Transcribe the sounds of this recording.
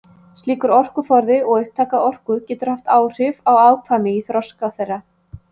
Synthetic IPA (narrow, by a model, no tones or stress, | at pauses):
t̪liːkʏɾɔr̥kʏfɔɾðɪɔɣʏɥhp̚t̪ʰaːkaɔr̥kʏcɛːt̪ʏɾ̥haft̪aːwr̥ɪvawaːwkʰvamɪiθɾɔskawθɛrːa